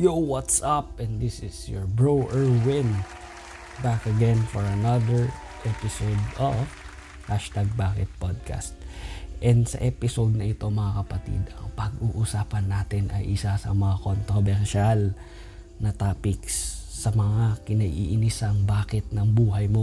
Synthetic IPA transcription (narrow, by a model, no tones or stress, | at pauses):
jowat̪sɐp̚ɛ̃nd̪ɪsɪsjɔɹbɹowʔɛɹwɪ̃n | bakɐɡɛ̃nfɔɹɐnɐd̪əɹ | ʔɛpɪsowd̪ɔv | haʃt̪aɡ̚baːkɪt̪̚pod̪̚kʰa̰st̪̚ʔɛnd̪sɐ̰ʔɛpɪsowd̪̚nɐʔɪt̪o̞mɐŋakɐpɐt̪ḭd̪ʔɐ̰ŋpɐɡʔuːʔusaːpɐnːaːt̪ɪnʔɐ̰jʔɪsasɐ̰mɐŋakont̪ɾobɛɾʃal | nɐt̪aːpɪksːɐmɐŋakɪnɐɡḭːʔɪnisɐŋbaːkɪt̪̚nɐŋbuːɦɐjmo̞